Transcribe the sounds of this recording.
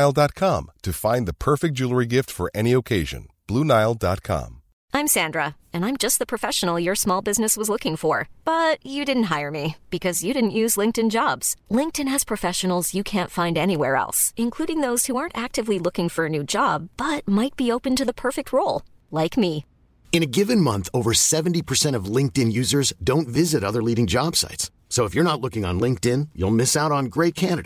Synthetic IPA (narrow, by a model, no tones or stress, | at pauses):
l̩ˠdɑt̚kʰɑ̰̃mtʰɨfãɪ̃nðɨpʰɜ˞fɪk̚d̥ʒ̥ʉlˠə˞iɡɪftfə̰˞ʔɛniokʰeɪʒɨ̰̃nb̥lunaɪl̩ˠdɑ̰t̚kʰɑ̰̃m | ʔãɪ̃msæ̃ndɹə | ɨ̃nãɪ̃md͡ʒʌst̪̚ðəpʰɹ̥ɨfɛʃən̩l̩ˠjə˞smɔlˠbɪznɨswʌzlʊkɪ̃ŋfə˞b̥ʌt͡ʃɨdɪdⁿn̩t̚ɦaɪə˞mib̥ɨkʰʌzjɨɾɪdⁿn̩ʔjʉzlɪ̃ŋk̚tɨ̃nd͡ʒɑbz̥lɪ̃ŋk̚tɨ̃nɨz̥pʰɹ̥ɨfɛʃn̩l̩ˠzjɨkʰæ̃ntfãɪ̃ndɛñiwɛɹɛ̰lˠsɨ̃nkʰl̥uɾɪ̃ŋðoʊz̥huɑɹntæk̚tɨvlilʊkɪ̃ŋfə˞ɨnʉd͡ʒɑb̥ːʌt̚maɪt̚b̥ioʊpɨ̃ntɨðəpʰɜ˞fɨk̚t̚ʰɹoʊlˠ | laɪkmi | ɨ̃ñɨɡɪvɨ̃nmʌ̃nθoʊvə˞sɛvn̩tipʰə˞sɛ̃ɾ̃ʌvlɪ̃ŋk̚tɨ̃njʉzə˞zdõʊ̃ntvɪzɨɾʌðə˞liɾɪ̃ŋd͡ʒɑb̥sa̰ɪtsːoʊəfjə˞ñətˡlʊkɪ̃ŋə̰̃nlɪ̃ŋk̚tɪ̃njṵlˠmɪsaʊɾn̩ɡɹeɪt̚kʰæ̃nɨɾ